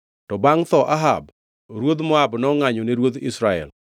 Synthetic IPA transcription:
tɔbaŋt̪ɔʔaɦa̰b | ɾwod̪mɔabnɔŋaɲoneɾwod̪isɾaɛ̰l

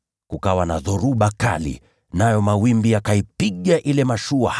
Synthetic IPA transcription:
kukawanaðɔɾuɓaka̰lḭ | najɔmawimbijakaipiɠaʔilɛmaʃua

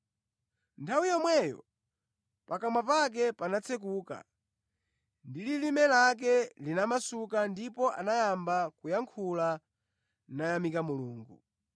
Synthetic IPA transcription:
ntʰawijɔmwɛjɔ̰ | pakamwapak̬ɛpanat͡sʰɛk̬uːka̰ | ndililimɛlak̬ɛlinamasukandipɔʔa̰najambakujaŋkʰula | najamikamuluːŋɡu

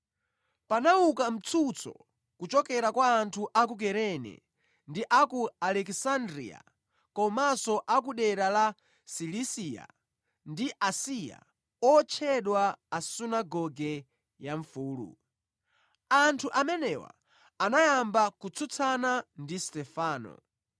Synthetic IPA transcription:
panaukam̩t͡sʰut͡sʰɔ̰ | kut͡ʃɔkɛɾakwaːntʰuʔak̬uk̬ɛɾɛnɛ̰ | ndiʔakualɛksandɾḭa̰ | kɔmasɔʔak̬uɗɛɾala | silisija̰ | ndiʔasija̰ | ɔt͡ʃʰɛɗwaːsunaɡɔɡɛ | jaɱfuːlṵ | antʰuʔamɛnɛwa̰ | anajambakut͡sʰut͡sʰanandistɛfaːnɔ̰

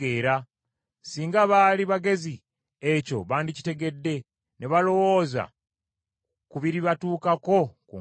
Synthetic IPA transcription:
eːɾa | siːŋɡaβaliβaɡe̞zi | e̞co̞̰βaːndici̥te̞ɡe̞dːe̞ | neβalo̞wo̞ːza̰ | kuβiɾiβatuːkako̞kṵ

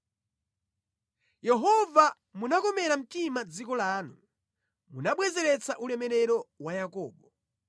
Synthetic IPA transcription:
jɛɦɔva | munakɔmɛɾam̩timad͡zikɔlaːnu | munaɓwɛzɛɾɛt͡saʔulɛmɛɾɛɾɔwajakɔ̰ːɓɔ

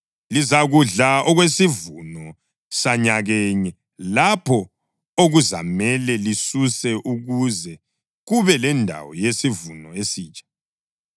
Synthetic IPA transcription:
lizaɣuɮaɔɣwesivunɔ | saɲaɣɛɲɛ | lapʰɔ | oɣuza̰mɛlɛlisusɛʔuɣuzɛ | ɣuβɛlɛndʱa̰wɔ̰jesivunɔesiːt͡ʃʼḁ

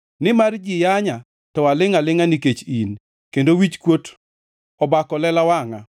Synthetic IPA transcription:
nɪmard͡ʒɪjaɲa | tɔwalɪŋalɪŋaniket͡ʃin | kendowit͡ʃkwot | ɔbakɔlɛlawaŋa

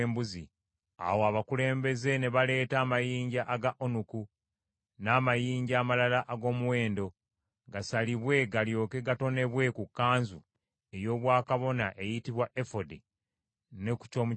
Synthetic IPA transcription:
mbuzi | a̰woaβakule̞ːmbe̞ze̞ne̞βale̞ːtaːmajiːɲɟaʔaɡaʔonuku | naːmajiːɲɟaːmalalaʔːɡo̞ːmuwe̞ːndo̞ | ɡasaliβwe̞ɡaljo̞ːke̞ɡato̞ne̞βwe̞kukːaːnzu | e̞jo̞ːβwaːkaβo̞naʔe̞jitiβwaʔefode | ne̞ku̥co̞ːmu

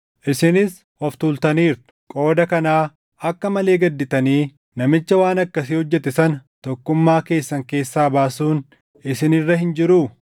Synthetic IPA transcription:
ʔɪsɪnɪs | wɐft̪uːlt̪ɐniːɾt̪ʊ̥kʼo̞ːd̪ɐkɐnaː | ɐkːɐmɐle̞ːɡɐd̪ːɪt̪ɐniː | nɐmɪt͡ʃːɐwaːnɐkːɐsɪhɔd͡ʒːɛt̪ɛsɐnɐt̪ɔkːʊmːaːke̞ːsːɐŋke̞ːsːaːbaːsuːn | ɪsɪnɪrːɐɦɪnd͡ʒɪɾuː

